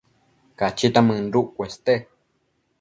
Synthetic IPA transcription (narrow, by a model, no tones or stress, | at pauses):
kat͡ʃit̪amɨ̃nɾuʔkʷest̪e